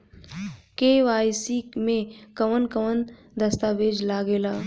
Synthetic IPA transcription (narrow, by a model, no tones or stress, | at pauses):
keːʋaːjsimẽkɐʋənkɐʋən | d̪ɐst̪aːʋeːd͡ʒlaːɡeːlaː